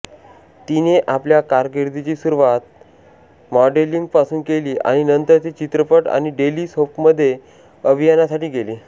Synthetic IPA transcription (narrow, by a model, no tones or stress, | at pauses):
t̪ineʔapljakaɾɡeɾd̪it͡ɕiːsuɾuʋat̪̚ | mɔɖeliŋɡ̚pasuːnkeliːʔa̰ɽ̃inənt̪əɾt̪it͡ɕit̪ɾəpəʈa̰ɽ̃iɖeliːsopməd̪ʱːje | əbʱijanasaʈiːɡeliː